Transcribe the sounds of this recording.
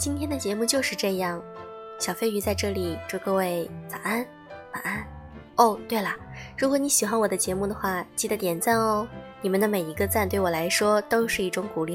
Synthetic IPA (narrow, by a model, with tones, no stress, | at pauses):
t͡ɕi˥nt̪ʰjɛ˥nd̪ə˨t͡ɕjɛ˧˥mu˥˧t͡ɕjo˥˧ʊʂɻ̩˥˧ʈ͡ʂɤ˥˧jɑ˥˩ŋ | ɕjɑ˨˩ʊfe˥ɪy˧˥t͡sa˥˧ɪʈ͡ʂɤ˥˩li˨˩t͡ɕjo˥˧ʊkɤ˥˧we˥˩ɪt͡sa˨˩a˥n | ma˨˩a˥n | o˥˩ʊt̪we˥˩ɪlɐ˩ɻu˧˥kwɔ˧˥ni˧˥ɕi˨˩xwa˥nwɔ˨˩d̪ə˦t͡ɕjɛ˧˥mu˥˩d̪ə˩xwa˥˩t͡ɕi˥˩d̪ə˩t̪jɛ˨˩nt͡sa˥˩nɔ˧˥ni˨˩mə˦nd̪ə˧me˨˩ɪi˧˥ɡə˧t͡sa˥˧nt̪we˥˩ɪwɔ˨˩la˧˥ɪʂwɔ˥t̪o˥ʊʂɻ̩˥˧i˥˩ʈ͡ʂʊ˧˥ŋku˨˩li˥˩